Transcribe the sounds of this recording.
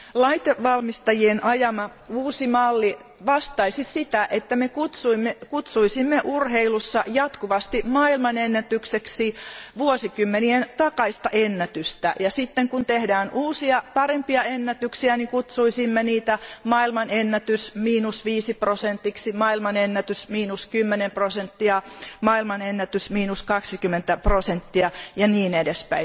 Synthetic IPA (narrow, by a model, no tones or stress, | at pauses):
lɑit̪eʋʋɑlmist̪ɑjienʔɑjɑmɑ | uːsimɑlːi | ʋɑst̪ɑisisit̪æʔet̪ːæmekut̪suimːekut̪suisimːeʔurheilusːɑjɑt̪kuʋɑst̪imɑilmɑnenːæt̪ykseksiːʋuosikymːenient̪ɑkɑist̪ɑʔenːæt̪yst̪æ̰jɑsit̪ːeŋkunt̪ehdæːnuːsiɑpɑrempiɑenːæt̪yksiænikut̪suisimːeniːt̪æmɑilmɑnenːæt̪ysmiːnusʋiːsiprosent̪ːiksimɑilmɑnenːæt̪ysmiːnuskymːenemprosent̪ːiɑmɑilmɑnenːæt̪ysmiːnuskɑksikymːˑent̪æprosent̪ːiɑjɑniːnedespæ̰i